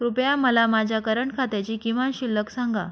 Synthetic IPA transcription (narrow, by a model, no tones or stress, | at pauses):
ɾupjaməlamad͡ʑʱakəɾəɳkʰat̪jat͡ɕiːkiʋanɕilːəksaŋɡa̰